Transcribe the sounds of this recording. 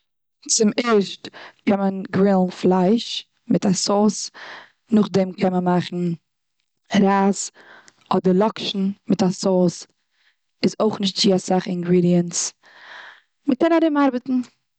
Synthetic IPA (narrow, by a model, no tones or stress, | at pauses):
t͡sɪmɛɾʃtkʰɛnmənɡɾɪlˠn̩flˠaɪʃ | mɪtasɔːs | nʊχdɛmkʰɛmənmaχn̩ | ɾaːs | ɔdəɾlˠɔkʃn̩mɪtasɔːs | ɪzoʊχnɪʃ̬t̚t͡sɪasaχɪŋɡɾiːdiəns | məkɛnaɾɪmaɾbətn̩